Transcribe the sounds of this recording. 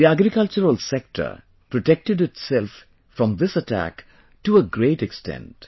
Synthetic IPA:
iæɡɾɪkʌlt͡ʃəɾəlsɛk̚ʈʰə̰ɾ | pɾoʈɛk̚ʈɨɖɪʈsɛlf | fɾɔ̃md̪ɪsətʰæ̰k | ʈuəɡɾeɪʈɛkstɛ̰̃nt

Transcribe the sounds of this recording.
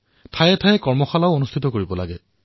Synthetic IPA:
tʰajɛtʰajɛkɔɹmɔxalaʊonustʰitɔkoɹibɔla̰ɡɛ

